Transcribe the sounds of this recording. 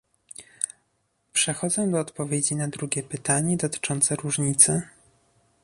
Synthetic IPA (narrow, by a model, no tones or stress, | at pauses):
pʂɛxɔd̪zɔ̃w̃d̪ɔːt̪pɔvʲjed͡ʑinad̪ɾuɡʲɛpɘt̪aɲɛd̪ɔt̪ɘ̥t͡ʂɔnt̪sɛɾuʐɲit̪sɘ